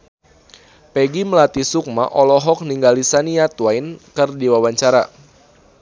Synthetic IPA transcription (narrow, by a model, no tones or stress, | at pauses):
peɡiməlat̪isuk̚maʔɔlɔɦɔk̚niŋɡalisaniat̪wajnkɨrdiwawaɲt͡ʃaɾa